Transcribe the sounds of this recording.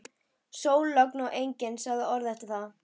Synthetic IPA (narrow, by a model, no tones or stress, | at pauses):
soːwlːœknawʔejɲcɪnsaɣðaɔɾðɛht̪ɪθa